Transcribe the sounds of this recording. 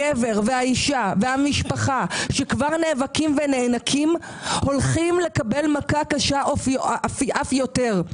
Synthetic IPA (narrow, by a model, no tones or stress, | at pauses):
eve̞ʁveaiʃavehamiʃpaχaʃekvaʁneːvakimvene̞ːnakʰim | ho̞lχimle̞kabe̞lmakakaʃaʔoffʔafjote̞ʁ